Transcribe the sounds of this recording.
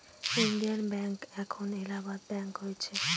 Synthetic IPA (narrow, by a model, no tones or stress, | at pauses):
inɖijanbɛŋkɛkʰonelabaɾbɛŋkɦojet͡ɕʰe